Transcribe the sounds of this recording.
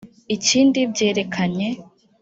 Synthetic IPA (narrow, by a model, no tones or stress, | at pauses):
iciːndibɟe̞ːɾe̞kʰaɲe̞